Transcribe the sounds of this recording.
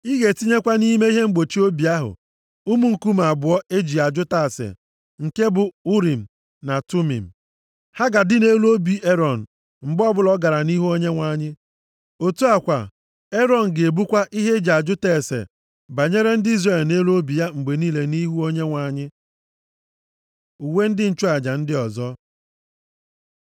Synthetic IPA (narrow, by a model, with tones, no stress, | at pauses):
i˦ɣe˨ti˦ɲe˦kʷa˦ni˦me˦i˦ɦe˦ŋ͡m̩˦ɡ͡bo˨t͡ʃi˦o˦bi˨a˦ɦʊ̰˨ | u˦mu˦ŋ̩˨ku˦m˨a˨bʊ˨ɔ˦e˦d͡ʒi˨a˨d͡ʒʊ˦ta˦˨sḛ˨ | ŋ̩˨ke˦bʊ˨u˦ɾi˨m̩˨ | na˨tu˦mḭ˨m̩˨ | ha˦ɡa˨dɪ˦ne˦lu˦o˦bi˦ʔe˦ɾɔ˨n̩˨ | ŋ͡m̩˨ɡ͡bɔ˦bʊ˦lɔ˦ɡa˨ɾa˨ni˦ɦu˦o˦ɲe˦ŋʷa˨ɲɪ˦ | o˨tu˦a˨kʷa˨ | e˦ɾɔ˨n̩˨ɡe˨bu˦kʷa˦ʔi˦ɦe˦d͡ʒi˨a˨d͡ʒʊ˦te˦˨sḛ˨ | ba˨ɲe˦ɾe˦n̩˦dɪ˦i˦zre˨lne˦lu˦o˦bi˨ja˦ŋ͡m̩˨ɡ͡be˨niː˦le˨ni˦ɦu˦o˦ɲe˦ŋʷa˨ɲɪ˦ | u˨we˦n̩˦dɪ˦n̩˨t͡ʃʊ˦a˨d͡ʒa˨n̩˦dɪ˦ɔ˨zɔ˦